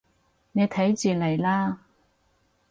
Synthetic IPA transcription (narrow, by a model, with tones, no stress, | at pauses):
ne˨˧jt̪ʰɐ˨˥jt͡syː˨lɐ˨˩jlaː˥